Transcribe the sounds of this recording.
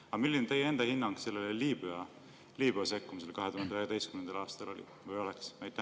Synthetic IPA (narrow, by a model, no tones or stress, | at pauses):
ɑmilːinet̪e̞jee̞nd̪̥ɑhinːɑŋɡ̥se̞lːeleliːb̥yɑ | liːb̥yɑse̞kːumis̬e̞lkɑɦet̪uhɑnd̪eøejɑd̪e̞jst̪kymend̪̥ɑlɑːst̪ɑlo̞̰lʲḭ | vɤjo̞lɛksmæjt̪ˑːæ